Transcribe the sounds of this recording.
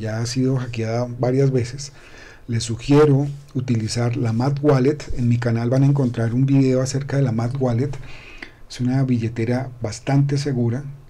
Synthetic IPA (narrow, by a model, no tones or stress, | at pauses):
ʝaːsiðo̞xakjaðabaɾjazβe̞se̞s | le̞suxje̞ɾo̞ut̪ilisaɾlamat̪ɡwalet̪e̞nmikanalβanaeŋk̬o̞nt̪ɾaɾumbiðe̞oase̞ɾkað̞e̞lamat̪ɡwale̞t̪esunaβiʝe̞t̪e̞ɾabast̪ant̪e̞s̬e̞ɣuɾa